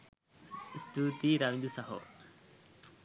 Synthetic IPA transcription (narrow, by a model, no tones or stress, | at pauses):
st̪ut̪iɾaʋĩnd̪usaɦo̰